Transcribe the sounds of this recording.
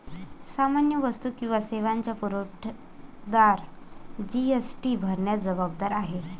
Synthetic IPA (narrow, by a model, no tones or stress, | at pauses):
samanjəʋəst̪uːkĩw̃ʋaseʋaɲt͡ɕjapuɾoʈʰ | d̪aɾd͡ʑiesʈibʱəɾɳjad͡zəbab̚d̪aɾaɦe